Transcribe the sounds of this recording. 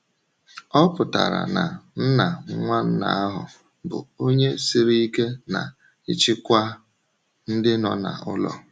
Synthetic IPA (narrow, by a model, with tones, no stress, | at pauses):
ɔ˦pʊ˨ta̰˨ɾa̰˨na˨n̩˦na˨ŋ̩˦ŋʷa˦n̩˦na̰˨˦a˦ɦʊ˨ | bʊ̰˨o˦ɲe˦si˦ɾi˦i˦ke˦na̰˨ | ɪ˦t͡ʃɪ˦kʷa˦ | n̩˦dɪ˦nɔ˨na̰˨ʊ˦lɔ̰˨